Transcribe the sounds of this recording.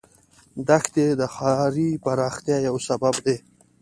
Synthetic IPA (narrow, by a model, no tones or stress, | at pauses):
d̪axt̪ed̪əxɑɾipaɾɑxt̪jɑjawsababd̪e